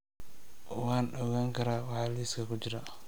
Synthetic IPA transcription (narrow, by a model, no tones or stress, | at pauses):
wɑːnɗɔːɣaːŋkʰɐɾaːwɑħɑːliːskʰɐkʊt͡ʃɪɾa